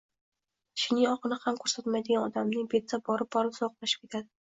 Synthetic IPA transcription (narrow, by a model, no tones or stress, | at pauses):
ʃɪnɪɒqɨnɪhamkʰɵɾsat̪majd̪ɪɡʲanɒd̪amnɪŋbet̪ːabɒɾɪp̚bɒɾɪpsɒqlˠaʃɪ̥p̚kʲe̞t̪ʰad̪ɪ